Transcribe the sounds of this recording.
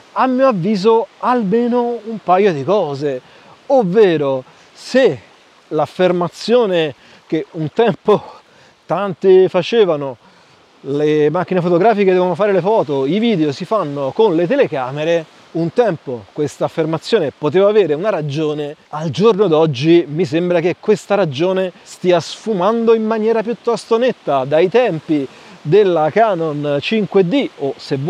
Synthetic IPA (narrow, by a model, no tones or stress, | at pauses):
amːiːoavːiːzoalmeːnoumpajːod̪ikɔːze | ovːeːɾo | se | lafːermat̪sːjoːne | k̟eunt̪ɛmpo | t̪ant̪efat͡ʃeːvano | lemak̟ːinefot̪oɡɾaːfiked̪ɛvonofaːɾelefɔːt̪oiviːd̪eosifanːokonlet̪̬elekaːmeɾe | unt̪ɛmpokwest̪aːfːermat̪sːjoːnepot̪̬eːvaːveːɾeunaɾad͡ʒoːneald͡ʒornod̪ɔd͡ʒːimis̬embɾakekːwest̪aɾad͡ʒoːnest̪iːasfumand̪oimːanjɛːɾapjut̪ːɔst̪onet̪ːad̪ajt̪ɛmpi | d̪elːakaːnont͡ʃiŋkwed̪iosev